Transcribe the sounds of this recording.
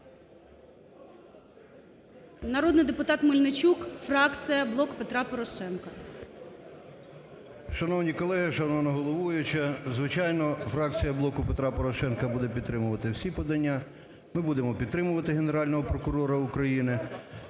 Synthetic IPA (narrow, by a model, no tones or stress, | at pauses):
nɐɾɔd̪nɪjd̪epʊt̪ɑt̪mʊlʲnɪt͡ʃʲukfrɑk̪t͡s̪ʲɪjɐblˠɔkpet̪ɾɑpɔɾɔʃɛnkɐ | ʃɐnɔwnʲikɔlˠɛɦɪʃɐnɔwnɔɦɔlˠɔʋujʊt͡ʃɐzʋɪt͡ʃɑjnɔfɾɑk̚t͡sʲijɐblˠɔkʊpet̪ɾɑpɔɾɔʃɛnkɐbud̪ɛpʲid̪t̪ːɾɪmʊʋɐt̪ɪwsʲipɔd̪ɐnʲːa | mɪbud̪emɔpʲid̪t̪ɾɪmʊʋɐt̪ɪɦeneɾɑlʲnɔɦɔpɾɔkʊɾɔɾɐʊkɾɐjinɪ